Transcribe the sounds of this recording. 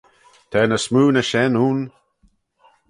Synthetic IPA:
t̪ʰɛːnəsmuːnəʃɛnuːn

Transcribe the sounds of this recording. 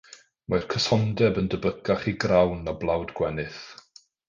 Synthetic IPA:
majrkʰəsɔndɛbəndəbəɡaχiɡrawnːablˠawdɡ̥wɛnɨθ

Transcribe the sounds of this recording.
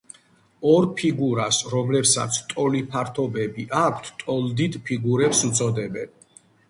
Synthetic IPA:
ɔɾpʰiɡuɾasɾɔmlɛpsa̰t̪sʰt̪ʼɔlipʰaɾt̪ʰɔbɛbiʔakʷʰt̪ʰt̪ʼɔld̪it̪ʰʼpʰiɡuɾɛpsut̪sʼɔd̪ɛbɛn

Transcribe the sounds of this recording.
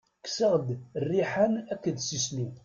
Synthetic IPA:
ksəʁd̪rːiħænækːəd̪sisli

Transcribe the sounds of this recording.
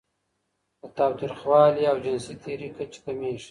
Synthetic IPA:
d̪ət̪aːwt̪ɾixwɑːliawd͡ʒɪnsit̪ʰeɾikat͡ʃkameːʂ

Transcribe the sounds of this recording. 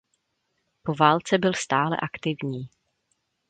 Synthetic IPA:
po̞vaːlt͡sɛbɪlst̪aːlɛ̰ʔakt̪ɪvɲiː

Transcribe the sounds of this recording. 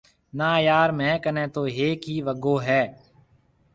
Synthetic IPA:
naːjaːɾmɛ̃ːkənẽːt̪oːɦeːkɦiːʋəɡoːɦɛː

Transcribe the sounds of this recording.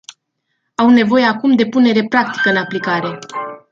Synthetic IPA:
awne̞vo̞je̞akumd̪e̞pune̞ɾe̞pɾak̚t̪i̥kəɨnaplikaɾe̞

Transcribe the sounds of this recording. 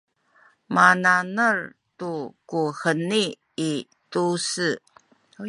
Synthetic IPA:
mananərtukuxəniː | tusə

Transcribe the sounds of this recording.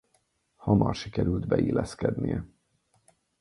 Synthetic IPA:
hɒmɒrʃikɛɾyld̪bɛilɛskɛd̪nijɛ

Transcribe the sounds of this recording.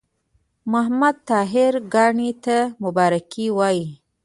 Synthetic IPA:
mʊɦmad̪̚t̪ɑɦɪɾɡɑɳit̪amʊbɑɾakiwɑji

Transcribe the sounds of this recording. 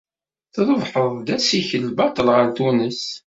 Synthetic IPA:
θðˤəvħəðˤd̪æsiçəlːbɑt̪ˤəlʁəɾt̪unəs

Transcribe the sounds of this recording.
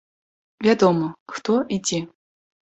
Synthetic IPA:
vʲad̪ɔməxt̪ɔʔid͡zʲɛ

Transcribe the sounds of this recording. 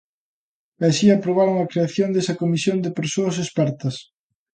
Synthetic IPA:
asiapɾoβ̞aɾoŋɐkɾeaθjond̪esɐkomisjond̪ɪpeɾsoɐs̬espɛɾt̪ɐs

